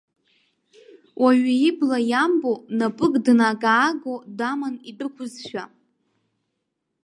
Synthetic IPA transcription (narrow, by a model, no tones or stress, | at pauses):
wʔaɥaiblajambonapʼɨkʼdnaɡʼaːɡodamanidʼɨkʷʰʊzʃᶣa